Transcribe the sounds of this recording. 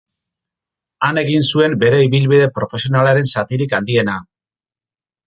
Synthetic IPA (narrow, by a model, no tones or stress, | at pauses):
ane̞ɣinsue̞mbe̞ɾe̞iβilβiðe̞pɾo̞fe̞sio̞nalaɾe̞nsat̪iɾikand̪ie̞na